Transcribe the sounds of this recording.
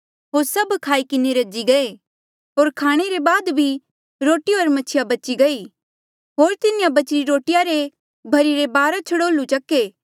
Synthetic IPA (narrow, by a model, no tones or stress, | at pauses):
ɦoːɾsɐbkʰaːikɪneɾɐd͡ʒiɡɐe | ɦoːɾkʰaːɽ̃eɾebaːd̪bʱi | ɾoːʈioɐɾmɐt͡ʃʰɪjabɐt͡ʃiɡɐi | ɦoːɾt̪ɪnɪjabɐt͡ʃɾiɾoːʈɪjaɾe | bʱɐɾiɾebaːɾat͡ʃʰɐɽoːlut͡ʃɐkːeː